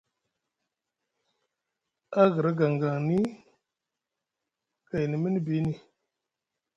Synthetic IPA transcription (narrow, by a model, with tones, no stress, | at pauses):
a˦ɡə˨ɾa˦ɡa˨ŋɡa˨ŋni˦ | ka˨jni˨mə˦n˦bi˨˦ni˨